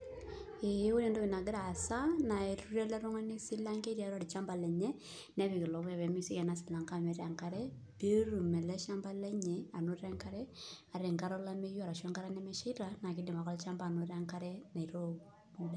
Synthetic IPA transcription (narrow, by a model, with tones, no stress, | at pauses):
e˨˦wu˦nɛ˨ndo˦ki˨na˨ɡɪ˦ɾa˨sa˦na˨i˨ɾu˦ɾɛ˦lɛ˦ɾɔ˦ŋa˦ni˦sɪ˦la˦ŋke˦ɾja˨˦ɾa˦ɾi˨t͡ʃa˦mba˨lɛ˨ɲɛ˦ | nɛ˦βi˨ki˨lɔ˨βɛ˨βɛ˨mi˦˨si˦kɛ˨na˦sɪ˨la˨ŋka˦mɛ˨˦ɾa˨ŋka˦ɾɛ˦ | b̥e˦ɾu˨mɛ˨lɛ˦ʃa˦mba˦lɛ˦ɲɛ˨a˨no˦ɾa˦ŋka˦ɾɛ˦a˨ɾɛ˨ŋka˦ɾɔ˦la˦me˦ju˦a˨ɾa˨ʃɛ˦ŋka˦ɾa˦nɛ˦mɛ˦ʃi˦ɾa˨na˨k̬i˦dɪ˨ma˨kɔ˦lt͡ʃa˦mbaː˨no˨ɾa˦ŋkaɾɛ˦na˨i˨ɾo˦ | mu˦lɛ˨